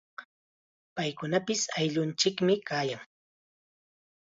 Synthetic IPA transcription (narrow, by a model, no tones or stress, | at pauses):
pajkʊnapɪsajʎʊnt͡ʃɪkmɪkaːjaŋ